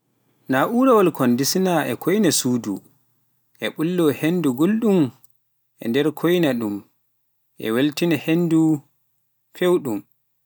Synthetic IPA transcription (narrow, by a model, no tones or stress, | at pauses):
naʔuɾawalkʰɔndisinaʔɛ̰kʰojnasuːdṵ | ʔɛɓulːɔhenduɡulɗum | ʔɛ̰ndɛɾkʰojnaɗum | ʔɛ̰weltinahendu | fewɗum